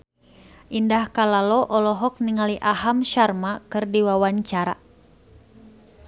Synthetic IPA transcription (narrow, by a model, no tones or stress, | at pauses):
ʔindahkalalɔʔɔlɔɦɔk̚niŋaliʔaɦamʃarmakɨrdiwawaɲt͡ʃaɾa̰